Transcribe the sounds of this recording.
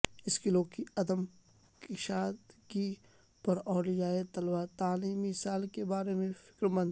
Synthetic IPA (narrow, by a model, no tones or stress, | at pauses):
ɪskɪlõkiɐd̪əm | kɪʃaːt̪ki | pɐɾɔːɖɪd͡ʒaːet̪ɐlwat̪aːliːmisaːlkebaːɾemẽfɪ̥kɾmə̃nd̪